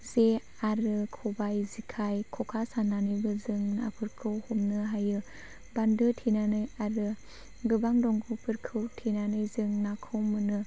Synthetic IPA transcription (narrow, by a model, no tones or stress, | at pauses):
ze | aɾɯkʰɔbajzikʰajkʰɔkʰasananɯjbɯzɯŋnapʰɯɾkʰɯwhɔmnɯɦajɯ | bandɯtʰinanɯjaɾɯ | ɡɯbaŋdɔŋɡupʰɯɾkʰɯwtʰinanɯjzɯŋnakʰɯwmɯnɯ